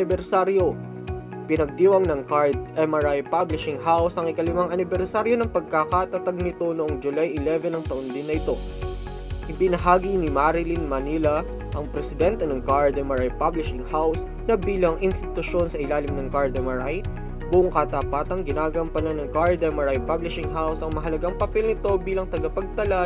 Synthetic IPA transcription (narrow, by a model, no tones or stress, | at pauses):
ɪbɛɾsaɾjo̞ | pɪnɐɡ̚d̪iːwɐŋnɐŋkaɹd̪̚ɛmɐɹajpablɪʃɪŋɦawsɐŋɪkɐlɪmaŋɐnɪbɛɾsaɾjo̞nɐŋpɐɡ̚kakaːt̪ɐt̪ɐɡ̚nɪt̪o̞nʊʔoŋd͡ʒʊlajʔɪlɛvɛnɐŋt̪ɐʔond̪ɪnːɐʔɪt̪o̞ | ʔɪbɪnɐɦaːɡinɪmaɾɪlinmɐnilɐ | ʔɐŋpɾɛsɪd̪ɛnt̪ɛnɐŋkaɹd̪ɛmɐɹajpablɪʃɪŋhaws | nɐbiːlɐŋʔɪnst̪ɪt̪ʊʃo̞nsɐʔɪlaːlɪmnɐŋkaɹd̪ɛmɐɹaj | bʊʔoŋkɐt̪ɐpaːt̪ɐŋɡɪnaːɡɐmpɐnɐnɐŋkaɹd̪ɛmɐɹajpablɪʃɪŋɦawsɐŋmɐɦɐlɐɡaŋpɐpɛlnɪt̪o̞biːlɐŋt̪ɐɡɐpɐɡ̚t̪ɐla